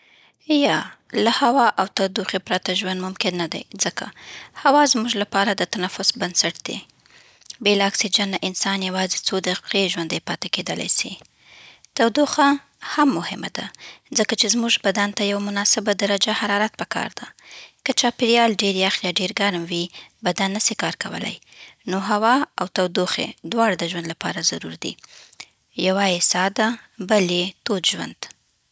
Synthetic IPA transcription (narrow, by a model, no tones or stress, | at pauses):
jalahawɑʔawt̪awd̪uxepɾɑt̪aʒwand̪mʊmkɪnːad̪a̰jzəkʰa̰hawɑzmuʒlapɑɾad̪ət̪anafʊsbansaʈ̚d̪̥ḛ | belɑksid͡ʒanːaʔɪnsɑnjawɑzet͡sod̪aqeʒwand̪ajpɑt̪eked̪əla̰jsi | t̪awd̪uxa | hamːʊhɪma̰d̪azəkat͡ʃezmuʒbad̪ant̪ajawmʊnɑsɪbad̪aɾad͡ʒahaɾɑɾat̪̚pəkʰɑ̰ɾd̪akət͡ʃɑpɪɾjɑlɖeɾjaxjɑɖeɾɡaɾmwibad̪anːasikɑɾkawə̰la̰jnoɦawɑawt̪awd̪uxḛd̪wɑɽad̪əʒwand̪lapɑ̰ɾazaɾṵɾd̪ḭ | jawaesɑd̪abəlet̪od̪ʒwa̰nd̪̥